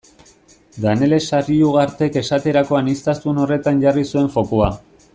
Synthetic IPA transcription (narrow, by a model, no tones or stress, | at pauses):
d̪ane̞le̞sariuɣ̞aɾt̪e̞ke̞sat̪e̞ɾako̞anist̪ast̪uno̞re̞t̪anʝarisue̞ɱfo̞koa